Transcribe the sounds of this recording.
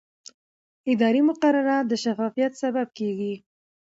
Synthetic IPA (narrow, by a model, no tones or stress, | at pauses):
ɪd̪ɑɾimʊqaɾaɾad̪əʃafɑfijat̪sabab̚keɡi